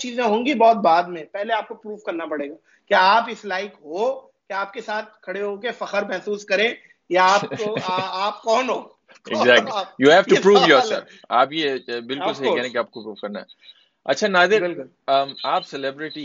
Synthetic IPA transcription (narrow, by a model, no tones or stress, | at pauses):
t͡ʃiːzẽɦõːŋɡibɔːt̪̚baːd̪mẽpɛɦleaːp̚kopɾuːʋkɐɾnapɐɽeːɡaː | kjaaːpɪslaːɪkɦo | keaːp̚kesaːt̪̚kʰɐɽeɦokefɐxəɾmɛɦsuːskɐɾẽ | jaaːoaːpkɔːnɦoː | kḛzɛːk̚lijuːɦɛːʋupɾuːʋjɔɾsə̰ | a̰ːpjebɪlkʊlsɦikɛɦẽkiaːp̚kopɾuːʋkɐɾna̰ɦɛ | ɐ̰tːʃʰanaːd̪ɪɾbɪlkʊl | əmaːpsɛlebɾɪʈi